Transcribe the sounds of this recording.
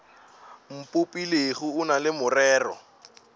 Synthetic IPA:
m̩pʼʊpʼileɣʊʊnalɪmʊrɛːrɔ̰

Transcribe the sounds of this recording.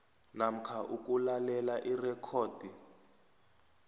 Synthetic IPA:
nam̩kʰaʔukulalɛlaʔirɛkʰɔːd̥ʱi

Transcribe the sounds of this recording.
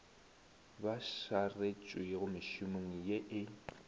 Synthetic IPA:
baʃaret͡ʃʼwɪɣʊmɪʃʊmoŋ̩jeʔɪ

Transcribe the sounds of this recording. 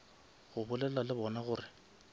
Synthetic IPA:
ɣʊbʊlɛlalɪbɔnaɣʊːrɪ

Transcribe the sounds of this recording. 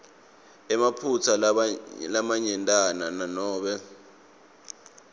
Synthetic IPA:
ɛmapʰut͡sʰalamaɲɛntʼanananɔːɓɛ

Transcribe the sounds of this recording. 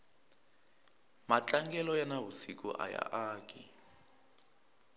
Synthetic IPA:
mat͡ɬʼaŋɡɛlɔjanawusikṵʔaja̰ʔaːki

